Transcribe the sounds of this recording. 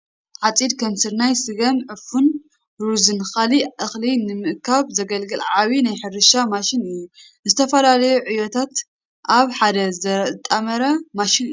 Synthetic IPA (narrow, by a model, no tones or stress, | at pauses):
ʕat͡sʼid̪kʰɐmsɨɾnajsɨɡɐmʕɨfun | ɾuzɨnxaliʔɨxlinɨmɨʔkʰaβzɐɡɐlɡɨlʕaβinajħɨɾɨʃamaʃɪnɨjːu | zɨt̪ʰɐfɐlalɐjuʕɨjot̪ʰat̪ | ʔaβħad̪ɐzɐɾɐt̪ʼːɐmɐɾɐmaʃinɨj